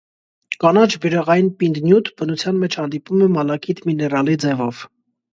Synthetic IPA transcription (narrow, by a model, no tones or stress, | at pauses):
kɑnɑt͡ʃʰbəɾɛʁɑjinpind̪njut̪ʰbənut͡sʰjɑnmɛt͡ʃʰhɑnd̪ipumɛmɑlɑkit̪ʰminɛrɑlid͡zɛvɔv̥